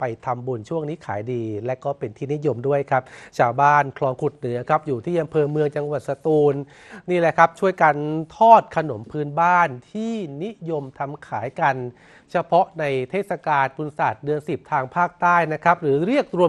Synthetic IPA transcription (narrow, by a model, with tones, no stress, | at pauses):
pa˧jt̪ʰa˧mbu˧nt͡ɕʰu˥˩əŋniː˦˥kʰa̰ː˩˦jdiː˧lɛ˦˥ʔkɔː˥˩pe˧nt̪ʰiː˥˩ni˦˥jo˧mdu˥˩əjkʰa˦˥p̚t͡ɕʰaː˧wbaː˥˩nkʰlɔː˧ŋkʰu˨˩t̪̚nɯ˩˦ɐkʰa˦˥p̚juː˨˩t̪ʰiː˥˩ʔa˧mpʰɤː˧mɯ˧əŋt͡ɕa˧ŋwa˨˩t̪̚sa˧t̪uː˧nː | iː˥˩lɛ˨˩kʰa˦˥p̚t͡ɕʰu˥˩əjka˧nt̪ʰɔː˥˩t̪̚kʰa˧no˩˦mpʰɯː˦˥nbaː˥˩nt̪ʰiː˥˩ni˦˥jo˧mt̪ʰa˧mkʰaː˩˦jka˧n | t͡ɕʰa˧pʰɔ˦˥na˧jt̪ʰeː˥˩t̪̚sa˧kaː˧npʰu˧nsaː˨˩t̪̚dɯ˧ənsi˨˩p̚t̪ʰaː˧ŋpʰaː˥˩k̚t̪aː˥˩jna˦˥kʰa˦˥p̚ɾɯː˩˦ɾi˥˩ək̚t̪ɾu˧ə